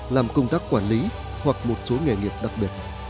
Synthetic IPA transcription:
laː˨˩mkə˧wŋ͡mt̪aː˦˥kːwaː˧˩nli˨˦ | hwa˨˩k̚mo˨˩t̚so˨˦ŋe˨˩ŋi˨˩əp̚ɗa˨˩k̚ɓi˨˩ət̚

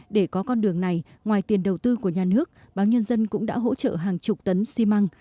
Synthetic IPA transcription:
ɗe˧˩kɔ˨˦kɔ˧nɗɨ˨˩əŋna˨˩jŋwaː˨˩jt̪i˨˩ənɗə˨˩wt̪ɨ˧ku˧˩əɲaː˨˩nɨ˦˥ək̚ | ɓaː˨˦wɲə˧nzə˧nkʊ̰˧˥ŋ͡mɗa̰ː˧˥ɦo̰˧˥t͡ɕə̰ː˧˨ɦaː˨˩ŋt͡ɕʊ˨˩k͡p̚t̪ə˨˦nsi˧ma˧ŋ

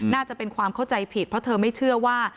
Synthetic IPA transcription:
naː˥˩t͡ɕa˨˩pe˧nkʰwaː˧mkʰa˥˩wt͡ɕa˧jpʰi˨˩t̪̚pɾɔ˦˥t̪ʰɤː˧ma˥˩jt͡ɕʰɯ˥˩ɐwaː˥˩

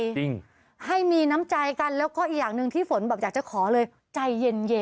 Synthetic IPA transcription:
ji˧˩ŋ | ha˥˩jmiː˧na˦˥mt͡ɕa˧jka˧nlɛː˦˥wkɔː˥˩ʔiː˨˩k̚jaː˨˩ŋnɯ˧ŋt̪ʰiː˥˩fo˩˦nbɛː˨˩p̚jaː˨˩k̚t͡ɕa˨˩kʰɔː˩˦lɤː˧j | t͡ɕa˧jːe˧nje˧

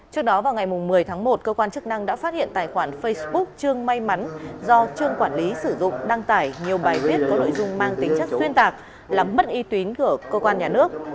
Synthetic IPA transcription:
t͡ɕɨ˦˥ək̚ɗɔ˨˦vaː˨˩wŋa˨˩jmʊ˨˩ŋ͡mːɨ˨˩əjt̪ʰaː˨˦ŋmo˨˩t̚kəː˧kwaː˧nt͡ɕɨ˦˥k̚na˧ŋɗa̰ː˧˥faː˦˥t̚hḭ˧˨ənt̪aː˨˩jxwaː˧˩nfə˧jsɓʊ˦˥k̚t͡ɕɨ˧əŋma˧jma˨˦nzɔ˧t͡ɕɨ˧əŋkwaː˧˩nli˨˦sɨ˧˩zʊ̰˧˨ŋ͡mɗa˧ŋt̪aː˧˩jɲi˨˩əwɓaː˨˩jvi˦˥ət̚kɔː˨˦no̰˧˨jzʊ˧ŋ͡mmaː˧ŋt̪ï˨˦ŋt͡ɕə˦˥k̚swi˧ənt̪aː˨˩k̚ | laː˨˩mːə˦˥t̚ʔi˨˧t̪wi˨˦nku˧˩əkəː˧kwaː˧nɲaː˨˩nɨ˦˥ək̚

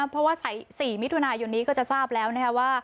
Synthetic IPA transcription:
pʰɾɔ˦˥waː˥˩sa˩˦jsiː˨˩mi˦˥t̪ʰu˧naː˧jo˧nːiː˦˥kɔː˥˩t͡ɕa˨˩saː˥˩p̚lɛː˦˥wna˦˥kʰa˦˥waː˥˩

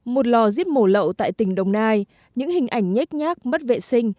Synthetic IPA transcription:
mo˨˩t̚lɔ˨˩zi˦˥əp̚mo˧˩lə̰˧˨wt̪a̰ː˧˨jt̪ï˧˩˦ŋ̟ɗə˨˩wŋ͡mnaː˧j | ɲɨ̰˧˥ŋhï˨˩ŋ̟ʔa˨˩jŋ̟ɲa˦˥k̟̚ɲaː˦˥k̚mə˦˥t̚vḛ˧˨sï˧ŋ̟

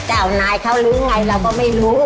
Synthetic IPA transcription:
t͡ɕaː˧˩wnaː˧jkʰa˥˩wlɯː˦˥ŋa˧jɾa˧wkɔː˥˩ma˥˩jɾuː˦˥

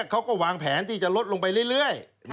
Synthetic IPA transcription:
kʰa˦˥wkɔː˥˩waː˧ŋpʰɛː˩˦˥nt̪ʰiː˥˩t͡ɕa˨˩ʔlo˦˥t̪̚lo˧ŋpa˧jlɯ˥˩əjlɯ˥˩əj

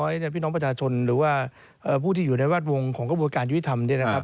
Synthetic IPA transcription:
ɔː˦˥jni˥˩pʰiː˥˩nɔː˦˥pɾa˧t͡ɕʰaː˧t͡ɕʰo˧nɾɯː˩˦waː˥˩ | ʔɤː˨˩pʰuː˥˩t̪ʰiː˥˩juː˨˩na˧jwaː˥˩t̪̚wo˧ŋkʰɔː˩˦ŋkɾa˧bu˧ənkaː˧nju˦˥˩i˦˥t̪ʰa˧mni˥˩na˦kʰa˦˥p̚

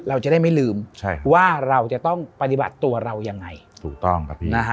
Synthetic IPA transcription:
ɾa˧wt͡ɕa˨˩˦da˥˩jma˥˩jlɯː˧mt͡ɕʰa˥˩waː˥˩ɾa˧wt͡ɕa˨˩t̪ɔ˥˩ŋpa˧t̪i˨˩ba̰˨˩t̪ːu˧ɐɾa˧wja˧ŋːa˧jt̪ʰuː˨˩k̚t̪ɔ˥˩ŋa˧na˦˥kʰa˦˥

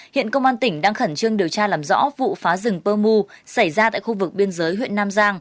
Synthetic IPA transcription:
hḭ˧˨ənkə˧wŋ͡mʔaː˧nt̪ï˧˩ŋ̟ɗaː˧ŋxə˧˩nt͡ɕɨ˧əŋɗi˨˩əwt͡ɕaː˧laː˨˩mzɔ̰˧˥vṵ˧˨faː˨˦zɨ˨˩ŋpəː˧mu˧sa˧˩jzaː˧t̪a̰ː˧˨jxu˧vɨ˨˩k̚ɓi˧ənzəː˨˦jɦwḭ˧˨ənːaː˧mzaː˧ŋ

